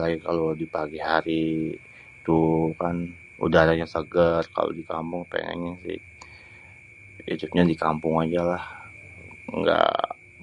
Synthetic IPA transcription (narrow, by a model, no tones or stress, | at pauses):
laɡikalodipaɡiɦaɾi | t̪ukan | ṵdaɾaɲasəɡərka̰lo̰dika̰mpʊŋpḛŋɛ̰ŋɲasɪ̰h | ḭdupɲadikampʊŋad͡ʒalah | ŋɡa̰